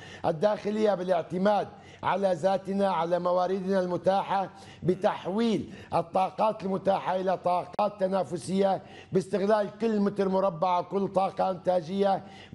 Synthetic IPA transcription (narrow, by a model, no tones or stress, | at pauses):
ʔad̪ːaːxɪlɪjːabɪlɪʕt̪ɪmaːd̪̚ | ʕa̰lazaːt̪ɪnaʕalamawaːɾɪd̪nalmʊt̪aːħa | bɪt̪aħwiːlʔɑt̪ˤːɑːqɑːt̪ɪlmʊt̪aːħaʔɪlat̪ˤɑːqɑːt̪ːanaːfʊsɪjːa | bɪst̪ɪɣlaːlkʊlːmɪt̪ɾmʊɾˤɑbːaʕakʊlːt̪ˤɑːqɑʔɪnt̪aːd͡ʒɪjːa